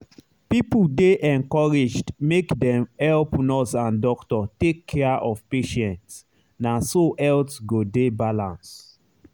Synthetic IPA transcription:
pipldeʔɛ̃ŋkɔɹid͡ʒdmekdɛ̃mhɛlpnɔsãndɔktɔtekʰːɛaʔɔvpeʃɛ̃nts | nasoʔɛltɡodebalãns

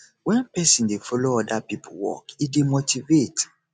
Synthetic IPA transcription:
wɛ̃npɛsĩndefɔloɔdapipʰowɔ̰kidemotivet

